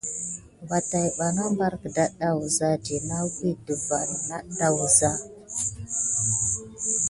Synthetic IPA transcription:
wa˨ta˨jɓa˨na˦mba˦ɾkə˨da˦ɗa˦wu˨za˦d͡ʒi˨na˦wi˦də˨va˨n˨na˦da˦˨wu˨za˦

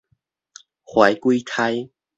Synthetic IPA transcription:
xwa˨˦jkwi˦t̪ʰa˧˦j

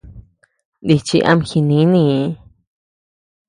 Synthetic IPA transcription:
nd̪i˧t͡ʃi˧ʔa̰˧mxi˧nĩ˧˦nĩ˧˦

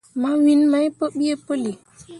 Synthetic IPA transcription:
ma˦wi˦nma˦jpə˦ɓi˦je˦pə˦li˨

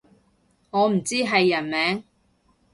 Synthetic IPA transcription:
ŋɔː˨˧m̩˨˩t͡siː˥ɦɐ˨jːɐ˨˩nmɛː˨˥ŋ

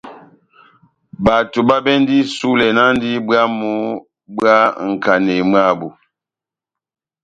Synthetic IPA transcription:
ba˨tu˨ba˦bɛ˦n˦di˦su˦lɛ˨na˦n˦di˦bɰa˦mu˦ | bɰa˦ŋ̩˨ka˨ne˨m˦a˦˨bu˨

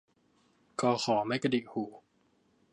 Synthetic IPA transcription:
kɔː˧xɔː˩˦ma˥˩jka˧di˨˩huː˨˩˦

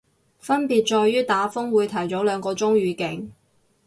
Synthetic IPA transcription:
fɐ˥npiː˨t̚t͡ʃɔː˧jɥyː˥t̪aː˨˥fʊ˥ŋwuː˨˧jt̪ʰɐ˨˩jt͡sɔ˨˥wlœː˨˧ŋkɔː˧t͡sʊ˥ŋɥyː˨˧kɪ˨˥ŋ

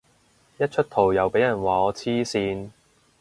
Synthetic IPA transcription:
jɐ˥t̚t͡ʃʰɵ˥t̚t̪ʰo˨˩wjɐ˨˩wpe˨˥jɐ˨˩nwaː˨˩ɔː˨˧t͡sʰiː˥siː˧n

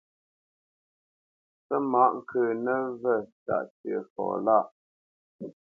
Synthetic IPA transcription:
pə˦ma˦ʔŋ̩˨kʰəː˨nə˦və˦˨ta̰˨ʔt͡sə˨fɔ̰ː˨la˦˨ʔ

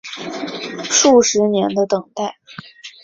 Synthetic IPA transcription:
ʂu˥˩ʂɻ̩˧˥njɛ˧˥nd̪ə˧t̪ɤ˨˩ŋt̪a˥˩ɪ

